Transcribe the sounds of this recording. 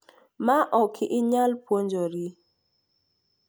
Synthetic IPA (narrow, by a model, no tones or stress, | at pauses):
maʔɔkʰɪʔɪɲalpwoɲd͡ʒoɾi